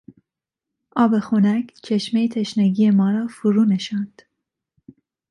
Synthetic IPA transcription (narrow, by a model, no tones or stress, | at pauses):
ʔɒːbexunækt͡ʃʰeʃmejt̪ʰeʃnæɡijemɒːɾɒːfuɾuːneʃɑːnd̪̥